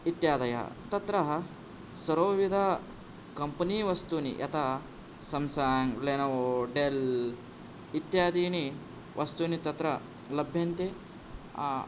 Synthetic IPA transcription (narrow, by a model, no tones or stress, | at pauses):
it̪jaːd̪ɐja̰t̪ɐt̪ɾɐɦɐ | sɐɾoːʋid̪ʱa | kɐmpɐniːʋɐst̪unḭʔɐ̰t̪a | sɐmsaːŋɡleːnɐʋoɖel | it̪jaːd̪iːni | ʋʔɐst̪unit̪ɐt̪ɾɐ | lɐbʱjɐnt̪ḛ